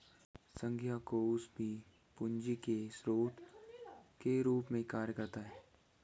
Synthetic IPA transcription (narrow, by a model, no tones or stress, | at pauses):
sə̃ŋɡʱjakoʊsbʱi | pʊɲd͡ʒikesɾoːt̪ | keɾuːpmẽkaːɾjəkəɾt̪aɦɛː